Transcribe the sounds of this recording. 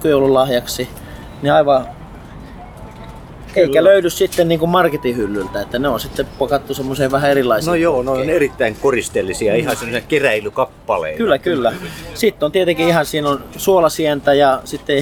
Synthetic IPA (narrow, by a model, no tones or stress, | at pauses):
kujolːullɑhjɑksi | niɑiʋɑ | eikæløyðyssit̪ːenniːŋkummɑrket̪ihylːylt̪æet̪ːæneonsit̪ːepokɑt̪ːusemːoseːʋʋæhæerilːˑɑisenojoːnoˑinerit̪ːæiŋkorist̪elːisiɑihɑsemːosekeræilykɑpːɑlḛikylːækylːæsit̪ːont̪iet̪eŋkiihɑnsiːnonsuolɑsient̪æjɑsit̪ːe